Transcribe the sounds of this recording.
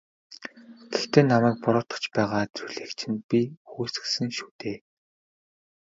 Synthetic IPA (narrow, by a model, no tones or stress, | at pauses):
ɡ̥ext̪eːnamæːk̚pɔɾɔːt̪ɞ̆t͡ɕpæːʁaːt̪uɮeːkt͡ɕʰɪ̆npʲixuːsɘ̥̆sɘ̆ŋʃuːt̪eː